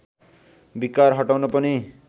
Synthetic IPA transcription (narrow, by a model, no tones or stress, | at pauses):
bikaɾɦʌʈawnʌpʌni